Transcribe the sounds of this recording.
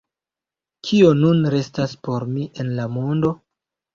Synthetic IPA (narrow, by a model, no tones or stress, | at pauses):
kʰio̞nunɾe̞staspo̞ɾmiʔe̞nlamo̞ndo̞